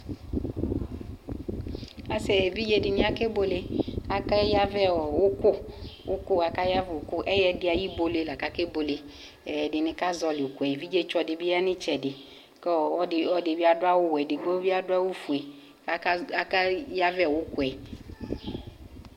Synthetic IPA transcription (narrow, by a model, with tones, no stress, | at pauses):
a˨sɛ˨vi˦d͡ʒe˦dɪ˨nɪ̃˦a˦ke˦bo˦le˨a˨ka˦ja˦vɛ˦˨wʊ˦kʊ˦wʊ˦kʊ˦a˨ka˦ja˦vɛ˨o˨kʊ˦ʔɛ˦jɛ˦dɪ˦a˨ji˦bo˦le˨la˨ka˦ke˦bo˨le˨ | dɪ˨nɪ˦ka˦zɔ˨lɪ˨ʊ˨ku˨ɛ˨vi˦d͡ʒe˦t͡ʃɔ˨dɪ˨bi˦ja˦nɪ˦t͡ʃɛ˨dɪ˨ | kɔ˦ɔ˦ɪ˨ɔ˦dɪ˨bi˦a˦dʊ˦a˦wʊ˦wɛ˨dɪ˨ɡ͡bo˦vi˦a˦dʊ˦a˦wo˦fu˨e˨ | a˦a˨ka˦ja˦vɛ˦˨wʊ˦ku˦˨ɛ˨